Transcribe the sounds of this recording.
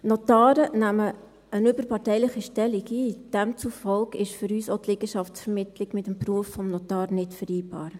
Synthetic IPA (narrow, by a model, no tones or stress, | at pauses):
notɑːɾənæmə | ənʏbəɾpʰɑtɛɪləχiʃtɛliɡiːd̥ɛmt͡sufɔlkɪʃfʏɾyːsotlɪɡəʃɑft͡sfəɾmɪtʰlɪɡmɪtəmpruəfːɔmnotɑːɾnɪtfəɾiːbɑ̰ːɾ